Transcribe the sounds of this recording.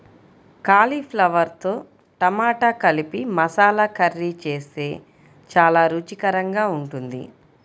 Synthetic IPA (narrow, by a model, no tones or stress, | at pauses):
kaːlipʰlɐʋɐɾt̪o̞ː | ʈ̪ɐmaːʈakɐlipimɐsaːlɐkɐɾːit͡ʃeːst̪e̞ː | t͡ʃaːlaːɾuːt͡ʃikɐɾɐŋɡaːuɳʈund̪ḭ